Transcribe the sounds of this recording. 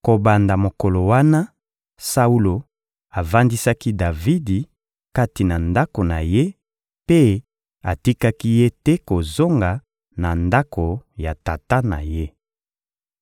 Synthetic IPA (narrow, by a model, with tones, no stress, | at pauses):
ko˨ba˨nda˨mo˨ko˨lo˨wa˦na˦ | sa˦u˦lo˨ | a˨va˦ndi˦sa˦ki˦da˨vi˦di˨ | ka˦ti˨na˨nda˦ko˨na̰˨je˦ | pe˦ | a˨ti˦ka˦ki˦je˦tɛ˦ko˨zo˦ŋɡa˨ | na˨nda˦ko˨ja˨ta˨ta˦na̰˨je˦